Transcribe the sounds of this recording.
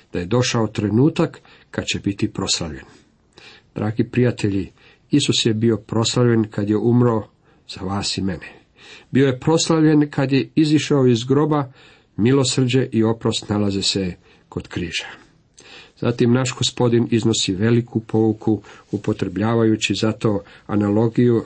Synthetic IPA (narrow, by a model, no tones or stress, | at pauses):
d̪̥aje̞d̪o̞ʃaot̪ɾe̞nuːt̪akː | ad̪t͡ɕebit̪ipɾo̞slaʋʎe̞̰n | d̪̥ɾʔaːɡipɾijat̪ʰe̞ʎi | isusjebio̞pɾo̞slaʋʎe̞nkʰad̪je̞umɾao | z̥aʋaːsime̞ne | bio̞jepɾo̞slaʋʎe̞nkʰad̪jeiziʃaoizɡɾo̞ba | milo̞sr̩d͡ʑe̞ʔio̞pɾo̞st̪nalazese̞ | ko̞d̪̥kɾḭːʒ̥ḁ | za̰t̪imnaʃɡo̞spo̞d̪inizno̞siʋe̞likʰupʰo̞ukʰuupo̞t̪ɾe̞bʎaːʋajut͡ɕizat̪o̞ːa̰nalo̞ɡiju